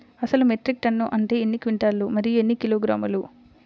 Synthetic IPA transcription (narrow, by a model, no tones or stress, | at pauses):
ɐsɐlumeʈɾik̚ʈɐnːuʔɐɳʈeːenːikʋiɳʈaːlːumɐɾijue̞nːikiloːɡɾaːmɐlu